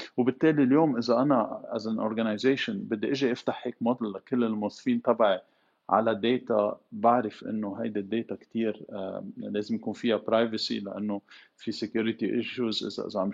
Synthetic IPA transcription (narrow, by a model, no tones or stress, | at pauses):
wbɪt̪ːeːliljoːmʔɪzaʔanaʔazanʔo̰ɾɡanajzeːʃʊnbɪd̪ːiʔɪʒiʔɪft̪aħheːkmod̪llakɪlːɪlmʊsˤfiːnt̪ɑbʕi | ʕa̰lad̪eːt̪abaʕɾɪfʔɪ̰nːoɦajd̪ɪd̪ːeːt̪akt̪iːɾ̰ | leːzɪmjakuːnfɪjapɾajvasḭla̰ʔanːofisɪkjuːɾɪt̪iʔɪʃjuzʔɪ̰za̰ʔɪ̰zaʕ